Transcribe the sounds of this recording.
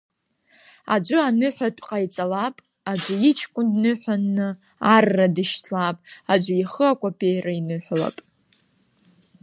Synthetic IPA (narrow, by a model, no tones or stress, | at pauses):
a̰d͡ʒʷʊanɨħʷatʷʼqʼajt͡sʼalapʼ | ad͡ʒʷʊit͡ʃʰkʷʼʊndnɨħʷᶣanːɨ | arːadɨʃtʰapʼad͡ʒʷaiχəakʷʼopʰʼejrainɨħʷᶣla̰pʼ